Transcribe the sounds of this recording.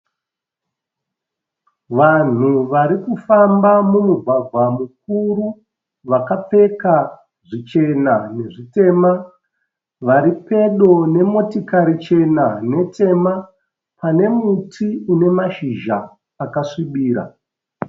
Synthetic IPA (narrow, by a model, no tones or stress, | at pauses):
ʋan̤uʋaɾikufambamumuɡʱwaɡʱwamuk̚uɾu | ʋakap͡fe̞ka | ʐit͡ʃe̞nane̞ʐite̞ːma | ʋaɾipe̞ɗo̞ne̞mo̞tikaɾit͡ʃe̞nane̞tʰe̞ma | pane̞mutʰiune̞maʃiʒaː | kaʂiɓiːɾa̰